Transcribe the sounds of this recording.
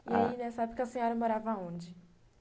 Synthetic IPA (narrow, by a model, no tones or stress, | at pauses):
iainɛsabɪpʊ̥kɪɐsẽɲɔɾɐmoɾavɐaõd͡ʒɪ